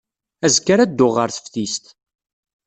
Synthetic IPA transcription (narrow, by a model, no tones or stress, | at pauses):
æzkːaɾæd̪ːʊʁːəɾθə̥fθist̪